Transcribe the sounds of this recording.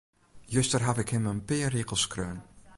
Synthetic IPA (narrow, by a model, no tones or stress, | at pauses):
jøstərɦafɪkhɪmənpɪːrɪkəlˠskrøːn